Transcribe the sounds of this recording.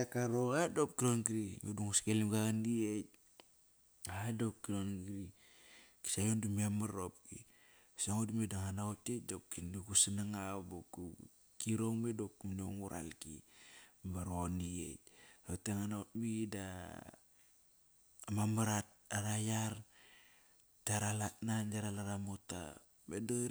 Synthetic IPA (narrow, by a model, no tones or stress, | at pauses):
akaɾoɣadop̚kiɾonɡiɾimeduŋuskelimɡaɡandiet̚ | adop̚kiɾonɡiɾi | ki̥sajondumamaɾop̚kḭ | saŋodumedaŋanaotet̚dopkinduɡusanaŋaboku | kiɾo̞ŋmedokːuminoŋuɾʔa̰lkḭ | baɾoniḛt̚oteŋanaot̚mida | mamaɾat̚ | aɾajaɾ | taɾalatnand͡ʒaɾalaɾamota̰ | medo